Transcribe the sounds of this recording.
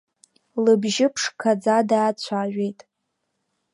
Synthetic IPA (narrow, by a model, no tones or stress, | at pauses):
lɨbʒɪpʰʂkʰad͡zadaːt͡ɕʷʰaʒᶣʷe̞jtʼ